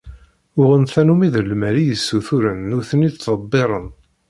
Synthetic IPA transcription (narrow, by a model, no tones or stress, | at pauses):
ʊʁənθænumiðəlmæɾijəsːuθuɾənːʊθənit̪ːˤəbːeɾˤən